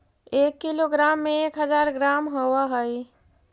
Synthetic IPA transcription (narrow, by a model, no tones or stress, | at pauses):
ekːiloɡɾamːeekɦəd͡ʒaɾɡɾamɦowəɦəj